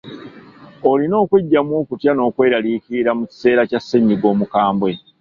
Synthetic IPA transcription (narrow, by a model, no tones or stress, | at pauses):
o̞lino̞ːkweɟːamwo̞ːkutjano̞ːkwe̞ːɾalikiɾamuci̥se̞ːɾacasːeɲːiɡo̞ːmukaːmbwe̞